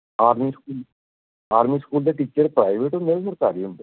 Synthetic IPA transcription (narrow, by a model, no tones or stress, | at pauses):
aːɾmiːskuːl | aːɾmiːskuːld̪eʈiːt͡ʃəɾpɾaːɪʋeːʈomeːɾesəɾk̪aːɾiə̃mb